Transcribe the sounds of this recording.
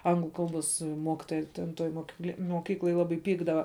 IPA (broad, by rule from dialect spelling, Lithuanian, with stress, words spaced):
ˈɐŋɡlˠʊ ˈkɐlˠˌboːs ˈmoːkʲɪtoːjɛ tʲɛn ˈtoːj moːkʲɪˈklʲɛ moːˈkʲiːklˠoːj ˈlˠɑːbɐɪ ˈpʲiːɡdɐʋɐ